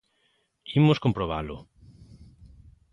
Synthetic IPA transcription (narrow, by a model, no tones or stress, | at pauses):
imoskõmpɾoβalʊ